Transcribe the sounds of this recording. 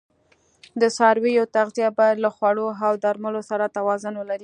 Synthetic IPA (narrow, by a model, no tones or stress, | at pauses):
d̪əsɑɾwijot̪aɣzijɑbɑjad̪laxwaɽoɦawd̪aɾməlosaɾat̪awɑzʊnwəlaɾi